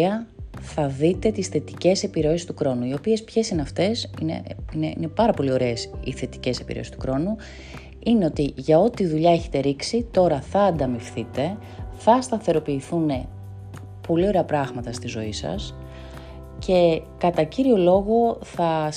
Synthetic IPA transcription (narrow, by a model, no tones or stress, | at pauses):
ɐθɐðit̪e̞t̪isθe̞t̪i̥ce̞se̞piɾo̞esi̥st̪ukɾo̞nuio̞pie̞spçe̞sineɐft̪e̞sḭnḛineine̞pɐɾɐpo̞lio̞ɾe̞ːsḭθe̞t̪i̥ce̞se̞piɾeo̰st̪ukɾo̞nu | ine̞o̞t̪iʝɐo̞t̪iðuʎɐeçe̞̥t̪e̞ɾiksit̪o̞ɾɐθɐːnd̪ɐmifθit̪e̞ | θɐst̪ɐθe̞ɾo̞piːθune̞ | po̞lio̞ɾe̞ɐpɾɐɣmɐt̪ɐst̪izo̞isɐ̰s | ce̞kɐt̪ɐciɾio̞lo̞ɣoθɐ